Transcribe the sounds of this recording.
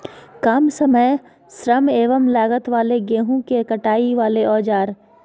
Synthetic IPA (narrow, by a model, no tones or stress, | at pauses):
kaːmsɐməj | sɾəmeːʋəmlaːɡət̪ʋaːleɡeːɦũkekɐʈaːiʋaːleʔɔːd͡ʒaːɾ